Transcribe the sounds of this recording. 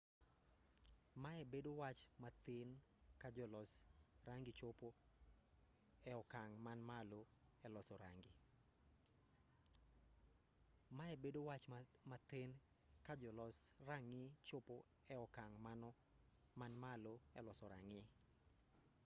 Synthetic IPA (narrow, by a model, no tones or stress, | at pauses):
maɛbedowat͡ʃmat̪ɪnkad͡ʒɔlɔsɾaŋɡɪt͡ʃopo | ɛɔkaŋmanmaloɛlɔsɔɾa̰ŋɡɪ | maɛbedowat͡ʃmat̪ɪn | kad͡ʒɔlɔsraŋɪt͡ʃopo | ɛɔkaŋmanɔ | manmaloɛlɔsɔɾa̰ŋɪ